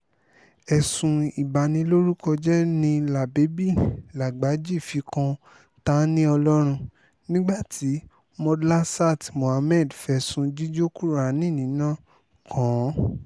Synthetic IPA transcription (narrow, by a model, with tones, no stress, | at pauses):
ɛ˨sũ˧i˨ba˨nĩ˧lo˦ɾu˦kɔ˧d͡ʒɛ˦nĩ˧la˨be˨˦bi˦˨la˨ɡ͡ba˨˦d͡ʒi˦˨fi˨˧˦kã˧ | ta˦nĩ˦ɔ˧lɔ˦ɾ̃ũ˧ | nĩ˦ɡ͡ba˦˨tʰi˨˦ | mɔ̃˧dla˦sa˦˨tmõ˨a˧mɛ˦˨dfɛ˧˨sũ˧d͡ʒi˦d͡ʒo˦ku˦ɾa˨nĩ˦˨nĩ˨˦nã˦ | kʰã˨˦